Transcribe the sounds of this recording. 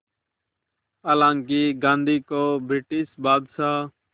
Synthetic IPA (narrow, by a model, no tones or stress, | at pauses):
aːlãːŋkiːɡãːnd̪ʱiːkoːbʱɾɪʈiːsbaːd̪saː